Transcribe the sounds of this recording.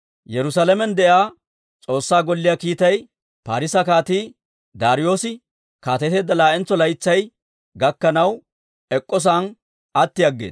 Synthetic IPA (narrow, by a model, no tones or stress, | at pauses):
jɛɾʊsaːlɐmɛnd̪ɛʔaː | t͡sʼo̞ːsːaːɡɔlːɪjakiːt̪ɐj | paːɾɪsɐkaːt̪iː | d̪aːɾɪjo̞ːsɪ | kaːt̪ɛt̪eːd̪ːɐlaːʔɛnt͡sːɔlɐjt͡sːɐj | ɡɐkːɐnɐw | ɛkʼːɔs̬an | ɐt̪ːɪjɐɡːḛːs